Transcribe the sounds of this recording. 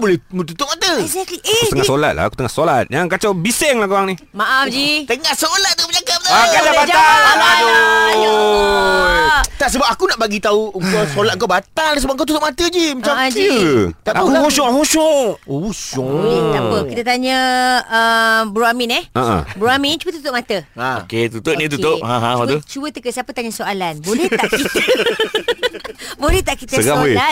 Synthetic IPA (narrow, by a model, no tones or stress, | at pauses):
bolɛmt̪ut̪ʊʔ̚mat̪əut̪əŋasola̰t̪la̰aku̥t̪əŋahsolat̪̚jaŋkat͡ʃabisɛŋlakwaŋni | maʔafd͡ʒit̪əŋahsolat̪̚ːupəɲakap̚t̪akadabad͡ʒa | t̪aʔsəbap̚akunaʔbaɡit̪auŋkasolat̪̚ŋkawbat̪aldis̬əbapŋkat̪ut̪ʊʔ̚mat̪əd͡ʒimət͡ʃad͡ʒt̪apiaosɔ̃ɦosɔousɔlɛt̪aapəkit̪ət̪aɲə̃əbɾuamɪnɛa̰ʔã̰bəɾuamɪ̃nt͡ʃuət̪u̥t̪ʊʔmat̪əao̰ket̪ut̪oʔ̚nĩt̪̬ut̪op̚ɦãɦãwat̪ut͡ʃuət̪əkəsiapət̪aɲə̃soalanbolɛh̪akit̪ə | bolɛht̪aʔkit̪əɡaela